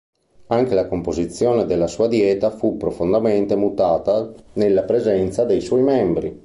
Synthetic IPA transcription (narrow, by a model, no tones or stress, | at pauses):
aŋkelakompozit̪sːjoːned̪elːasuːad̪jɛːt̪afupːɾofond̪ament̪emut̪aːt̪anelːapɾezɛnt̪sad̪ejswɔjmɛmbɾi